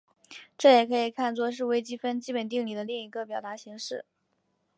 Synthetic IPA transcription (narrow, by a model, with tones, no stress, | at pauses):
ʈ͡ʂɤ˥˩jɛ˨˩kʰɤ˧˥i˨˩kʰa˥˧nt͡swɔ˥˧ʂ̬ɻ̩˥˧we˥ɪt͡ɕi˥fə˥nt͡ɕi˥pə˨˩nt̪i˥˩ŋli˨˩d̪ə˦li˥˩ŋi˧˥ɡə˧pjɑ˨˩ʊt̪a˧˥ɕi˧˥ŋʂɻ̩˥˩